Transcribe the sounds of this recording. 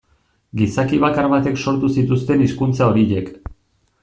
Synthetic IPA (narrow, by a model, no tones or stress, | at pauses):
ɡisakiβ̞akaɾβat̪e̞kso̞ɾt̪usit̪ust̪e̞niskunt͡sao̞ɾijek